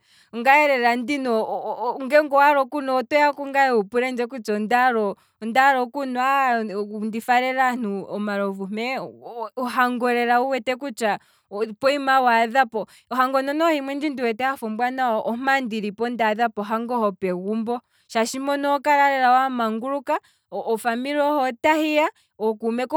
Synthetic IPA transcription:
uŋɡaɛɾɛɾandinɔŋɡɛŋɡɔwaɾɔkunɔːtɔjakuŋɡajɛupuɾɛnd͡ʒɛkut͡ʃɔndaɾɔ | ndaɾɔkunɔa | ndifaɾɛɾan̥uɔmaɾɔvumɛ | uɦaŋɡɔɾɛɾauwɛtɛkut͡ʃa | pɔimawaðapɔ | ɔɦaŋɡɔnɔnɔɔhimwɛnd͡ʒindiwɛtɛhafɔmbwanaɔʔɔm̥andiɾipɔndaðapɔɦaŋɡɔhɔpɛɣumbɔ | ʃaʃimɔnɔkaɾaɾɛɾaɔamaŋɡuɾukaː | famiɾɔhɔtahia | ɔkumɛk

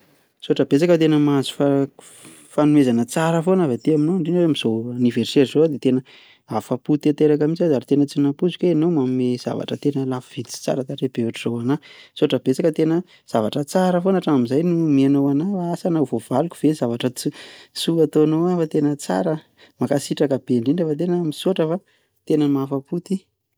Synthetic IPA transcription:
soaʈ͡ʂəbet͡sakət̪̬enəmazu̥fa | fanuezanət͡saɾəfonavat̪iaminoaɳɖ͡ʐenwmiz̥oaniverseɾzoad̪et̪enə | afaput̪et̪eɾak̬amit͡sad̪aɾit̪enət͡sinapuzu̥kʲwenowmammez̥a̰va̰ʈ͡ʂət̪enəlafv̥it̪i̥t͡si̥t͡sa̰ɾət̪aʈ͡ʂeb̥euʈ͡ʂizowanasuaʈ͡ʂəbet͡sakət̪enə | z̥avaʈ͡ʂət͡saɾəfonaʈ͡ʂaamizajnumianowanaaasanavovalukʲuv̥ezavaʈ͡ʂət͡sisuat̪oanoafat̪enət͡sa̰ɾə | makasiʈ͡ʂakəbeɳɖ͡ʐiɳɖ͡ʐafat̪enəmisoʈ͡ʂəfa | t̪enəmafaput̪i

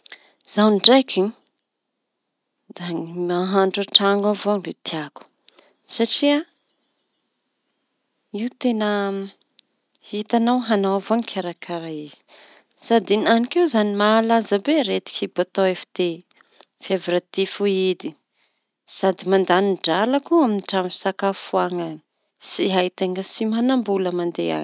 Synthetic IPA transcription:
z̥awnɖ͡ʐajkʲi | d̪amaɦaɳɖ͡ʐaʈ͡ʂaŋɡavoaŋlet̪ʰiaku̥ | saʈ͡ʂia | iwt̪enə | hit̪anawɦanawavoaŋikʰaɾakʰaɾaiz̥i̥ | sad̪inanikewzanimaːlazəbeɾet̪i̥kibat̪owefḁd̪e | fevɾat̪ifuid̪i | sad̪imand̪aniɳɖ͡ʐalakuaminiʈ͡ʂamifi̥sakafuaŋa | siɦajt̪eŋəsimanambuləmand̪ea̰ŋ

